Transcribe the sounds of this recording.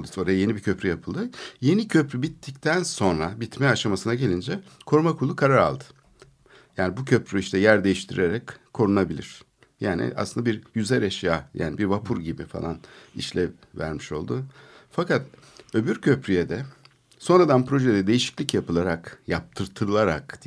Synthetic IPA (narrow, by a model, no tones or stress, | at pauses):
o̞ɾajaje̞nibicʰø̞pɾyjapʰɯlˠd̪ɯje̞nicʰø̞pɾybit̪ʰːic̚t̪ʰænso̞nɾabit̪mɛaʃamasɯnaɟe̞lʲind͡ʒɛkʰo̞ɾmakʰulˠːukʰaɾaɾa̰lˠd̪ɯ̥ | jaːnibucʰø̞pɾyiʃt̪ʰɛjæɾd̪e̞jiʃt̪ʰiɾeɾɛckʰːo̞ɾunabilʲḭɾ̥ | jaːnḭʔa̰slɯnd̪abiɾjyzɛɾeʃjaːja̰ːnibiɾvapʰuɾɟibifa̰lˠa̰nḭʃlʲɛ | væ̰ɾmiʃo̞̰lˠd̪ʊfakat̪ | ø̞byɾcʰø̞pɾyjed̪ɛ | so̞nɾad̪anpɾo̞ʒed̪ɛd̪e̞jiʃi̥clʲicjapʰɯlˠaɾakjap̚t̪ʰɯɾt̪ʰɯɾɯlˠaɾa̰k̪